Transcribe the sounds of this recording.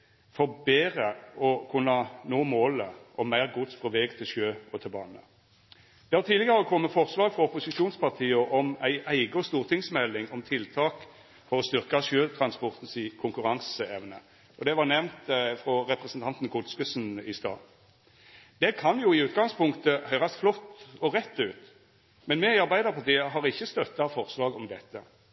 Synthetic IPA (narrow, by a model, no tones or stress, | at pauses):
fɔʁbeːɾəɔkʰʉnːɑnoːmoːləʔɔmæɪʁɡʊt̪sfʁɔʋɛːɡt̪ʰɪlʃøːɔt̪ʰɪlbɑ̰ːnə | d̪̥ɛhɑt̪ʰiːd̪lɪɡəɾəɾəkʰɔmːəfɔʁslɑːɡfʁɔɔpʊsɪʂuːnspɑʁt̪ʰiːəʔɔmæɪʔæɪɡəɔst̪uːʁt̪ʰɪŋsmɛlːɪŋɔmt̪ʰɪlt̪ʰɑːk | fɔʁɔst̪ʏʁkɑʃøːt̪ʰʁɑnspɔʁt̪n̩sɪkʰʊŋkʉʁɑŋsəɛʋnə̰ | ʔɔd̪ɛʋɑʁnɛʋnt̪fʁɔɾɛpʁɛsn̩t̪ʰɑnt̪n̩kʰʊlskʉsnɪst̪ɑ̰ː | d̪̥ɛkʰɑnjuːɪʉːt̪ɡɑŋspʰʊŋkt̪əhœʏʁɑsflɔt̪ːɔʁɛt̪ːʉːt̪ | mɛnmɛɪɑɾbæɪd̪əʁpʰɑʁt̪iːəɦɑʁɪçːəst̪œt̪ːɑfɔʁslɑːɡɔmd̪ɛt̪ːə